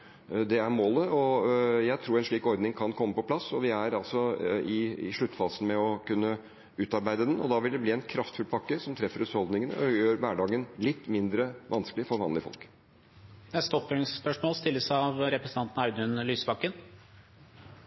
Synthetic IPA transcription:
d̪ɛæɾmoːləɔjæɪt̪ʰɾuːɾɛnʂɭiːkɔɾd̪nɪŋkʰɑnkʰɔmːəpɔpʰlɑsːɔʋɪæɾɑlsɔɪʂɭʉt̪ːfɑːsənmɛɔkʉnːə | ʉːt̪ɑɾbæɪd̪əd̪ɛnɔ̰d̪ɑʋɪld̪ɛbliːɛnkʰɾɑft̪fʉlpʰɑkːəsɔmt̪ʰɾɛfːəɾʉshɔld̪nɪŋənə̰jøːɾʋæːɖɑːɡənlɪt̪ːmɪnd̪ɾəʋʔɑnskəlɪfɔɾʋɑ̰nlɪfɔ̰lk̪ | ɛt̪st̪ɔpbøɳŋsspœʂmoːlst̪ɪlːəsɑʋɾɛpɾəsənɑnt̪n̩ɑʉd̪ʉnlyːsbɑkːən

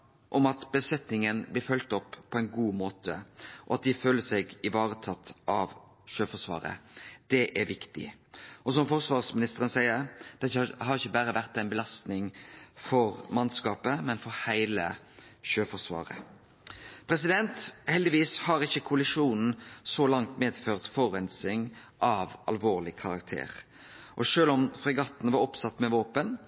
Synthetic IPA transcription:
ʔɔmɑt̪bəsɛt̪nɪŋənblɪɾfœlt̪ɔpːpʰːɔæɪnɡuːmoːt̪əʔɔɑt̪̚d̪ɪføːləsɛɡɪʋɑːɾət̪ʰɑt̪ːʔɑʋ | ʃøːfɔsʋɑ̰ːɾə̰d̪̥ɛʔæɾʋɪkt̪ɪ̰ʔɔsɔmfɔʁsʋɑːʁsmɪnɪst̪əɾənsæɪəɾd̪̥ɛt̪ːɦɑɾɪçːəbæɾəʋæʁt̪æɪnbəlɑst̪nɪŋfɔɾmɑnskɑːpəmɛnfɔɾhæɪlə | ʃøːfɔsʋɑ̰ːɾə̰ | pʰɾɛsɪd̪ɛnt̪hɛld̪ɪʋiːshɑɾɪçːəkʰʊɑlɪʂuːnn̩sɔlɑŋt̪meːd̪føːʁt̪fɔɾɛnsɪŋ | ʔɑʋɑlʋoːʁlɪkʰɑɾɑk̚t̪ʰḛːɾ | ʔɔʃøːlɔmfʁɛɡɑt̪n̩ʋɑɾɔpsɑt̪ːmɛʋoːpən

